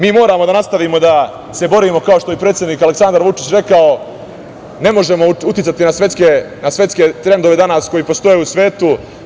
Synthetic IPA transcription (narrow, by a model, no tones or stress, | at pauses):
miːmo̞ːɾaːmo̞d̪anast̪aʋiːmo̞d̪a | se̞bo̞ɾiːmo̞kao̞ʃt̪o̞jepɾe̞ːt̪sʲjeniːkale̞ksand̪aɾʋut͡ʂit͡ɕɾe̞kao̞ | ne̞mo̞ʒe̞mo̞ut̪it̪sat̪inasʋe̞t̪ske | nasʋe̞t̪ske̞t̪ɾe̞nd̪o̞ʋe̞d̪anasko̞jiːpo̞st̪o̞jeusʋe̞ːt̪u